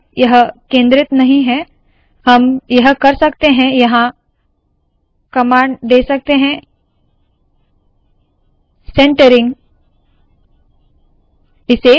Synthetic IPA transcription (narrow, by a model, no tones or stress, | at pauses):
jɐɦkẽːnd̪ɾɪt̪nɐɦĩɦɛ̃ | hɐmjɐɦkɐɾsɐkt̪eɦɛ̃jɐɦã | kɐmaːɳɖɖeːsɐk̚t̪eɦɛ̃ | sɛ̃ːɳʈəɾɪ̃ŋɡ | ɪse